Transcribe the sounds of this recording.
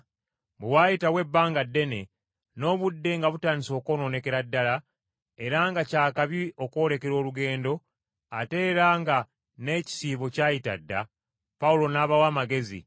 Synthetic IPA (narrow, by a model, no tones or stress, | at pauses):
bewaːjitawe̞bːaːŋɡadːe̞ne̞ | no̞ːβudːe̞ŋɡaβutaːniso̞ːko̞ːno̞ne̞ke̞ɾadːala | e̞ɾaŋɡacaːkaβio̞ko̞ːɾe̞ke̞ɾo̞ːluɡe̞ːndo̞ | a̰te̞ːɾaŋɡa | ne̞ci̥siːβo̞caːjita̰dːa̰ | pawulo̞naːβawaːmaɡe̞zḭ